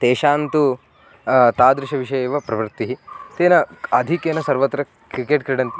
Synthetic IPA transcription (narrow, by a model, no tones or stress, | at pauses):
t̪eːʃaːnt̪u | t̪aːd̪ɾɪʃɐʋiʃɐjeʋɐpɾɐʋɾt̪ːiɦit̪eːnɐɐd̪ʱikeːnɐsɐɾʋɐt̪ːɾɐ | kɾikeʈkɾiɽɐnt̪i